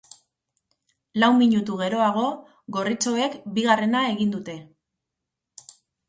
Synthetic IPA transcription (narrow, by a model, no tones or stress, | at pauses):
lawmiɲut̪uɣ̞e̞ɾo̞aɣ̞o̞ | ɣo̞rit͡so̞e̞kbiɣare̞nae̞ɣind̪ut̪e̞